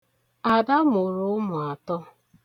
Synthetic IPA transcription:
a˨da˦mʊ˨ɾʊ˨˦mʊ˨a˨tɔ˦

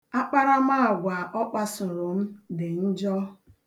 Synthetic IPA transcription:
a˦k͡pa˦ɾa˦ma˦˨ɡʷa˨ʔɔ˦k͡pa˦sʊ˨ɾʊ˨m̩˦dɪ˨n̩˦d͡ʒɔ˦

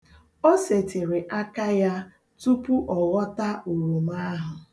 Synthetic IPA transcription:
o˦se˨te˨ɾɪ˨ʔa˦ka˦ja˦ | tu˦pu˦ʔɔ˨ɣɔ˦ta˦ʔu˨ɾu˨m˦a˦ɦʊ˨

